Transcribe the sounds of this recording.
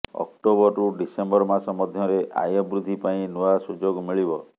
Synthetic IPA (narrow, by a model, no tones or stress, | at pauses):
ɔ̰k̚ʈobɔɾuɖisembɔɾmasɔmɔd̪ʱjɔɾeʔa̰jɔbɾud̪ʱipaĩnuasud͡ʒoɡmiɭibɔ